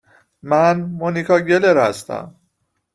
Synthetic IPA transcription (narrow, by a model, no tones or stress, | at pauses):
mænmonikʰɒːɟeleɾhæ̰st̪æ̰m